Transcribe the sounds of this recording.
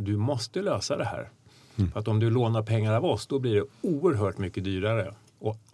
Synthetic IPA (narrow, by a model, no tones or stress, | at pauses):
d̪ɵmɔst̪əløːsad̪ɛhæ̰ːɾ | fəɾat̪ɔmd̪ɵloːnaɾpʰɛŋːaɾavɔsd̪ɔbliɖɛuːəɾɦœːʈmʏkːəd̪yːɾaɾə | ɔ